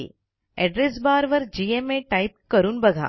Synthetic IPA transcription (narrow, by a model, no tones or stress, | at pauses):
ɛɖɾesbaːɾʋɐɾd͡ʒiemeːʈɐɪp̚kɐɾunbɐd̪ʱa̰ː